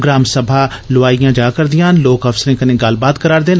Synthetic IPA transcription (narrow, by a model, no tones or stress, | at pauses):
ɡɾaːmsəbʱaː | lʊʋaːijãːd͡ʒaːkəɾd̪ɪjãːnloːkəfsəɾẽːkənẽːɡəlbaːt̪kəɾaːɾd̪eːn